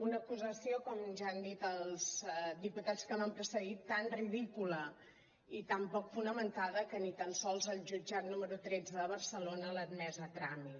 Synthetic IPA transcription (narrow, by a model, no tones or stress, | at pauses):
unəkuzəsiokɔmʒaːnd̪it̪əlˠz̥d̪iput̪at͡skəmampɾəsəɣit̪ːanriðikulə | it̪ampɔkfunəmənt̪aðəkənit̪ənsɔlˠzəlˠʒud͡ʒat̪numəɾut̪ɾɛd͡zəðəβ̞ərsəlonələnɛzət̪ɾami